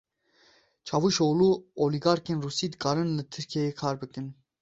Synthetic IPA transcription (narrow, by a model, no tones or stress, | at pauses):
t͡ʃʰɑvuʃoːluːoliɡɑːɾkenrusiːd̪ɡɑɾɨnlɨt̪ʰɨɾkʰɛjekʰɑːɾbɨkɨn